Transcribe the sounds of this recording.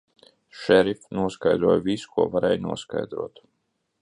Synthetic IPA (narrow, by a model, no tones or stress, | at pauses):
ʃɛɾifnuɔskajd̪ɾuɔjvisu̥kuɔvaɾɛːjnuɔska̰jd̪ɾuɔt̪